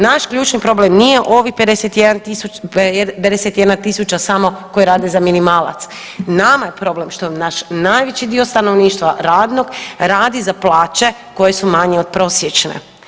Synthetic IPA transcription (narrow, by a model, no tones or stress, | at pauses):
naʃkʎuːt͡ʃnipɾo̞blemnijeʔo̞ʋixped̪eset̪jed̪ant̪iuped̪eset̪jed̪nat̪isut͡ʃasamo̞ko̞jiɾaːd̪e̞zaminimaːlˠa̰t̪s | namajepɾo̞blemʃt̪onaʃnaːjʋet͡ɕid̪io̞st̪ano̞ʋniːʃt̪ʋaɾaːd̪no̞ɡɾaːd̪izaplˠaːt͡ʃe̞ | ko̞jesumaɲeod̪̥̚pɾo̞sjet͡ʃnḛ